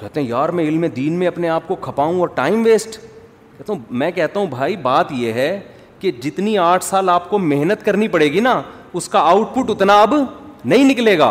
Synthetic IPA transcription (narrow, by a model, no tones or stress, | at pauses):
kɛɦt̪eɦɛ̃jaːɾmɛ̃ɪlmẽd̪iːnmẽɐpneaːp̚kokʰɐpaːũɔːɾʈaːɪmʋeːsʈ | kɛɦt̪aɦũmɛ̃ːkɛɦt̪aɦũbʱaːibaːt̪jeɦɛ | ked͡ʒɪt̪niaːʈʰsaːlaːpkomeɦnət̪kɐɾnipɐɽeːɡina | ʊskaaːʊʈpʊʈʊt̪naɐbnɐɦĩnɪkleːɡa̰ː